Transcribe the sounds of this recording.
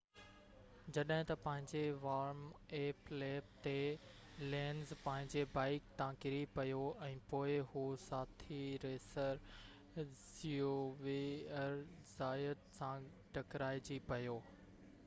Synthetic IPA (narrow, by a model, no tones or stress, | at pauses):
d͡ʑɐɗɦɪ̃t̪ɐpɐ̃ɦɪ̃ɲd͡ʑeʋaːɾmeːpleːp̚t̪e | lẽːnzpɐ̃ɦɪ̃ɲd͡ʑebaːɪk̚t̪ãːkɪɾipɐjoɛ̃ːpoːɪɦusaːt̪ʰiɾeːsəɾ | zioʋeəɾ | z̥aːəd̪sã | ɖʱɐkɾaːɪd͡ʑipɐjoː